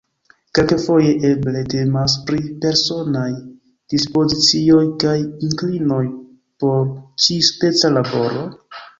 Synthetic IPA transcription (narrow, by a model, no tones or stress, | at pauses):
ke̞lkefo̞je̞ʔe̞ble̞te̞mas̬pɾipe̞ɾso̞naj | d̥ispo̞zit͡sio̞jkajiŋklino̞j | po̞ɾt͡ʃiste̞t͡salabo̞ɾo̞